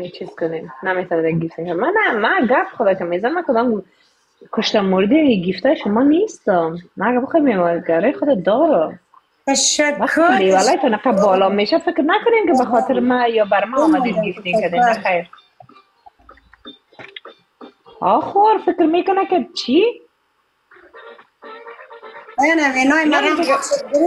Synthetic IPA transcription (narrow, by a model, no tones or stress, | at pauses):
t͡ʃʰiz̥kʊnemnamet̪ɔned̪aɡift̪eʃamanamaɡapχʊd̪akɪmezanmakʊd̪ɔm | kʊʃt̪amʊɾd̪emiɡift̪ajʃʊmɔnest̪ʊmːaːɡabɪxɔjemewaɡaɾɔjχʊd̪ad̪ɔɾʊm | ʃwak̪newalɔjt̪ɔnɪqabɔlɔmeʃafɪkɾnakʊnemkɪbaxɔt̪ɪɾmajɔbaɾmaɔmad̪eɡift̪ekad̪embaxajɾ | ɔxoɾfɪkɾmekʊnakɪt͡ʃʰi | nawenɔjmad̪ɪɡ